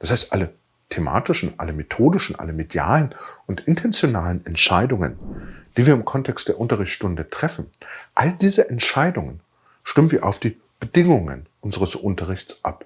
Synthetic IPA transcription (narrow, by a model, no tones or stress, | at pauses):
d̥ashaɪstʔalə | tʰema̰ːtɪʃn̩ʔa̰ləmetʰoːdɪʃn̩ʔa̰ləmedja̰ːlənʊntɪntʰɛnt͡sjonaːlənɛntʃaɪdʊŋə̰nd̥iːviːɐɪmkʰɔntʰɛkstd̥eːɐʔʊntɐʁɪçt͡ssʃtʊndətʁ̥ɛfn̩ʔaldiːzəʔɛntʃaɪdʊŋən | ʃtɪmən̩viːɐʔa̰ʊfd̥iː | b̥ədɪŋʊŋə̰nʔʊnzəʁəsʔʊntɐʁ̞ɪçt͡sʔa̰p